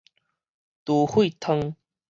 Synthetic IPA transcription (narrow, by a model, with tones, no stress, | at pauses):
t̪u˨˩hwi˥˨t̪ʰə˧ŋ